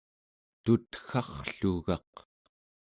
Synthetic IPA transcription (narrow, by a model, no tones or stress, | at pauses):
t̪ut̪xɑχɬuɣɑq